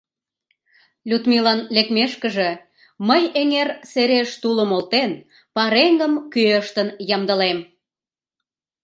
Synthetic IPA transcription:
lʲut̪milɑnlekmeʃkə̆ʒe | məjeŋerseɾeʃt̪uləmolt̪en | pɑɾeŋɡəmkyəʃt̪ənjɑmd̪ə̆lem

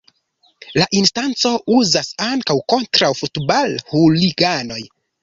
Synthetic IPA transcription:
laʔinstant͡so̞ʔuzasaŋkawko̞ntɾawfutbalhuliɡano̞j

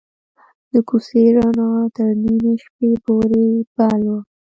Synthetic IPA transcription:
d̪əkuseɾɑnɑt̪əɾnimeʃpepoɾebalwə

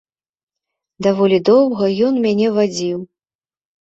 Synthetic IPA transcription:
d̪avɔlʲid̪ɔwɣɐjɔnmʲanʲɛvad͡zʲiw

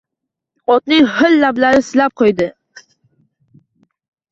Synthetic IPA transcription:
ɒt̪nɪŋhɪlːablaɾɪsɪlap̚qʰojd̪ɪ

